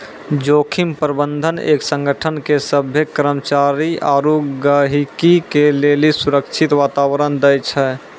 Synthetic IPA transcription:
d͡ʒokʰimpɾəbənd̪ʱənḛːksə̃ŋɡʱəʈʰənkesəbʱjekɾəmət͡ʃaɾiaɾuɡəɦikikelelisuɾəkt͡ʃʰit̪ʋaːt̪awɾənd̪əjt͡ʃʰɛ

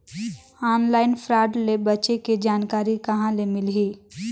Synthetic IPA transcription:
aːnlaːɪnfʰɾaːɖlebɐt͡ʃeked͡ʒaːnkaːɾikɐɦãlemɪlɦiː

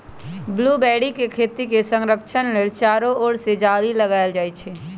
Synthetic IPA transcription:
bluːbɛːɽikekʰeːt̪ikesə̃ŋɾəkʃʰənlet͡ʃaːɾooːɽsed͡ʒaːliləɡaːjld͡ʒaːit͡ʃʰeː

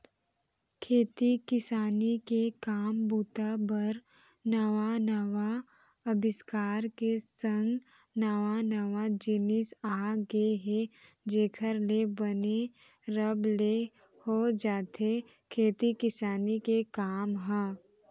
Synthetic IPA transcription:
kʰeːt̪ikɪsaːnikekaːmbuːt̪abəɾ | nəʋanəʋa | ɐbɪskaːɾkesə̃ŋɡ | nəʋanəʋad͡ʒɪnɪsaːɡeɦe | d͡ʒeːkʰəɾlebəne | ɾəble | hod͡ʒaːt̪ʰe | kʰeːt̪ikɪsaːnikekaːmɦɛ̃ː

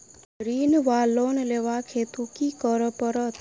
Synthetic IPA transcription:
ɾinʋalonleʋakʰet̪ukikəɾəpəɾɔt̪

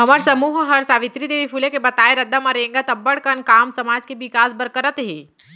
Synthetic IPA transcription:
ɦɐməɾsɐmuːɦɦɐɾsaːʋɪt̪ɾid̪eːʋipʰulekebɐt̪aːeɾɐd̪ːamaɾẽːŋɡat̪ɐbːəɽkənkaːmsɐmaːd͡ʒkeʋɪkaːsbɐɾkəɾət̪ɦeː

